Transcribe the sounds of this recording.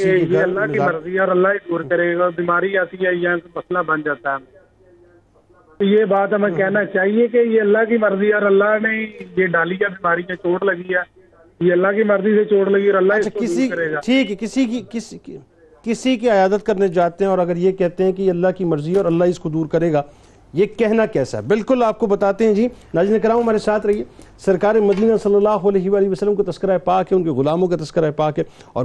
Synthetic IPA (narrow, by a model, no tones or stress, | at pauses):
ejeːɐlːaːkiməɾziɛɔːɾəlːaːid̪uːɾkəɾeːɡaːbiːmaːɾiaːt̪iɛːjãkmɐslabənd͡ʒaːt̪aɦɛm | t̪oːjeːbaːt̪ɦəmẽːkɛːnaːt͡ʃaːɦiekejeːəlːaːk̬iməɾziːɛɔːɾəlːaːneːjeːɖaːlijãːbɪːmaːɾijãːt͡ʃoːɽləɡiɛː | jeːəlːaːkiməɾziːset͡ʃoːɽləɡiɔːɾəlːat͡ʃʰakɪsikəɾeːɡaːʈʰiːkɦɛkɪsikikɪs | kɪsikiɐjaːd̪ət̪kɐɾned͡ʒaːt̪eɦɛ̃ɔːɾɐɡəɾjekɛɦt̪eɦɛ̃kijɐlːaɦkimɐɾziɔːɾɐlːaɦɪskod̪uːɾkɐɾeːɡaː | jekɛɦnakɛːsa̰ɛbɪlkʊlaːp̚kobɐt̪aːt̪ẽɦɛ̃d͡ʒiːnaːd͡ʒinekɾaːmɦɐmaːɾesaːt̪ʰɾɐɦieːsɐɾkaːɾemɐd̪iːnasɐlːɐlːaːɦoɐlɛːɦiʋaːlɪɦiʋɐsəlːəmkat̪ɐskɪɾaɦepaːkɦɛ̃ʊnkeɣʊlaːmõk̬at̪ɐskɪɾaepaːkɦɛ | ɔ̰ːɾ